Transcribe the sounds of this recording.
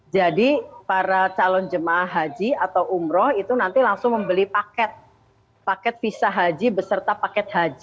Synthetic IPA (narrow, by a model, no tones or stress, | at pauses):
d͡ʒadipaɾat͡ʃalɔnd͡ʒəmaːhɦad͡ʒiat̪awʔumɾɔhit̪unant̪ilaŋsʊŋməmbəlipakɛt̪̚ | pakɛt̪̚fisaɦad͡ʒibəsərt̪apakɛt̪̚ɦad͡ʒi